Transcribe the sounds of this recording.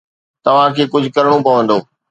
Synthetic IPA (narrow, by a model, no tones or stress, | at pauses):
t̪ɐʋ̤ãkʰeːkʊd͡ʑʱkɐɾəɽ̃opɐʋə̃nd̪oː